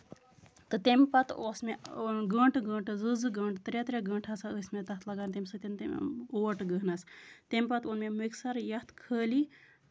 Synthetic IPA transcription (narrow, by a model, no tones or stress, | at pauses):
t̪ɨt̪empɐt̪oːsmeɡəɳʈɡəːɳʈɨzɨzɨɡəːɳʈt̪ɾet̪ɾeɡəːɳʈʰɐsaəsmet̪ɐt̪ʰlɐɡaːnt̪̬emʲsɨt̪int̪oːʈɡəɦnɐst̪emʲpɐt̪onmemiksɐɾjɐht̪kʰəːli